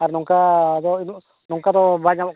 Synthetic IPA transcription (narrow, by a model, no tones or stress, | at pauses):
aɾnɔŋkad̪ɔn | nɔŋkad̪ɔbaɲabɔ